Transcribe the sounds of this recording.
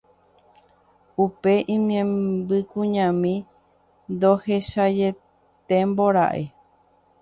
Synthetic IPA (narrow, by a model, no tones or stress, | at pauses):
upe̞ʔĩmẽmbɨkũɲãmĩ | nd̪o̞he̞ʃad͡ʒe̞ | t̪e̞mboɾa̰ʔe